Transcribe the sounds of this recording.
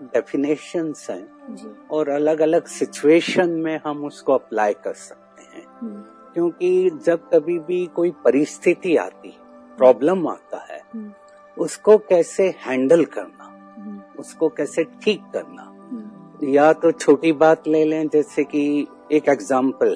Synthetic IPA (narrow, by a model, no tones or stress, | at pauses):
ɖɛːfɪneːʃənzɦɛ̰̃ːɔːɾɐləɡɐləɡsɪt͡ʃueːʃənmẽɦɐmʊskoɐplaːjkɐɾsɐ̥k̚tt̪eɦɛ̰̃ː | kjõːkid͡ʒɐb̚kɐbʱibʱikoːipɐɾɪst̪ʰɪt̪ia̰ːt̪i | pɾɔːbləma̰ːt̪a̰ɦɛ̰ː | ʊskokɛːsehɛ̃ːɳɖəlkɐɾna | ʊskokɛːseʈʰiːkːɐɾna̰ | jat̪ot͡ʃʰoːʈibaːt̪leːlẽd͡ʒɛːseki | eːkeɡzãːmpəl